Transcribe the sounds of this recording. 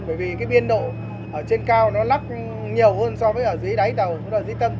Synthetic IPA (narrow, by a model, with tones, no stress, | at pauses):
ɓəː˧˩jvi˨˩kaː˨˦jɓi˧ənɗo̰˧˨ | ʔəː˧˩t͡ɕe˧nkaː˧wnɔ˨˦la˦˥k̚ | ɲi˨˩əwhəː˧nsɔ˧vəː˨˦jʔəː˧˩zjɗa˨˦jɗ̪ə˨˩w̰laː˧˩zɨi˨˦t̪ə˧m